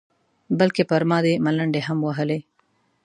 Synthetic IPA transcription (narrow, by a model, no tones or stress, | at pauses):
bəlkepɐɾmɑd̪emɐləɳɖeɦəmwɐɦəle